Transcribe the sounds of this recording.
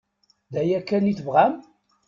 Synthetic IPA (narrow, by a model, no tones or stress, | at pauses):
ðæjækːæniθvʁæm